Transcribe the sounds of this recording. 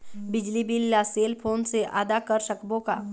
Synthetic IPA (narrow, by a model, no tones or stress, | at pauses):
bɪd͡ʒlibiljaseːlpʰoːnseʔa̰ːd̪akəɾʃəkbõka̰